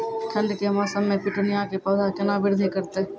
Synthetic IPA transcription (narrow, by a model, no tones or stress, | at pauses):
kʰɐ̃nd̪kemaːsəmːẽpɪʈonɪjakepɐːd̪ʱat͡ʃɐnabɪɽd̪ʱekəɾt̪eː